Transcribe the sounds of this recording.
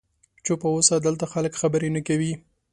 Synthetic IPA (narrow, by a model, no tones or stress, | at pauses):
t͡ʃopəwosad̪əlt̪axaləkxabəɾenəkawi